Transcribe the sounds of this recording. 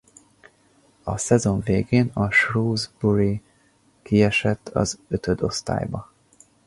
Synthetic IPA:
ɒsɛzo̞ɱveːɡeːnɒʃruːzbuɾi | kiɛʃɛt̪ʰːɒ̰zøt̪ʰød̪o̞st̪a̰ːjbɒ

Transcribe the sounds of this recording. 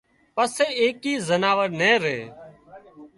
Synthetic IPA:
pəseːeːkiːzənaːʋəɾnẽːɾḛː

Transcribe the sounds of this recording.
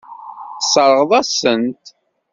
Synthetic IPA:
θsˤəɾˤəʁəðˤæsənt̪

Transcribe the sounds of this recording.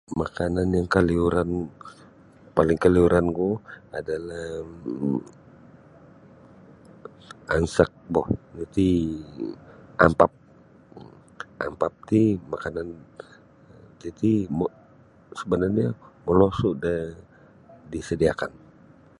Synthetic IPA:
makananjaŋkəliuɾan | palɪŋkəliuɾanɡuadalah | ansək̚bɔhd͡ʒit̪i | ampap̚ | ʔa̰mpap̚t̪imakanan | t̪it̪im | səbənarɲaməlɔsuda | disədiakan

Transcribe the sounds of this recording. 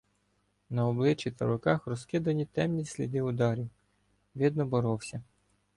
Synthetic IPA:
nɐɔblˠɪt͡ʃːit̪ɐɾɔkɑxɾɔskɪd̪ɐnʲit̪ɛmnʲisʲlʲḭd̪ɪʊd̪ɑɾʲiw | ʋʲid̪nɔbɔɾɔwsʲɐ

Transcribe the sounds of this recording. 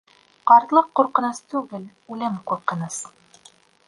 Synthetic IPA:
qɑɾt̪lˠɤqːuɾqɤ̆nɤst̪ʉɡɘl | ʉlɘmquɾqɤ̆nɤs

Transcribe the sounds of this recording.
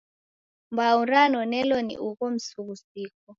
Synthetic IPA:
mbauɾanɔnɛlɔnḭʔukɔm̩suβusiːk̚ɔ

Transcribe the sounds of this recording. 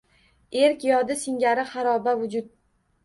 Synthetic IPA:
eɾkʲjɒd̪ɪsɪŋɡʲaɾɪχɑɾɒbavʊd͡ʒʊd̪̚

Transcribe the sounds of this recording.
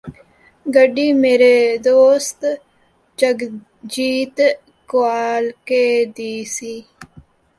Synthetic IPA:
ɡəɖimeːɾed̪oːst̪ | t͡ʃəɡ | d͡ʒiːt̪ | kwaːlked̪iːsiː

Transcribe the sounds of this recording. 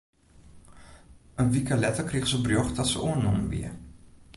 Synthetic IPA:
ʔənʋikəlɛtəkriɣəszəbrjoxdɔtsə̰ʔoənːoməʋḭə

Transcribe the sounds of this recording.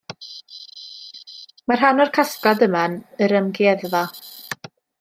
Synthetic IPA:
mar̥ɦanɔrkʰaskɔdəmanəɾəmɡɛðva

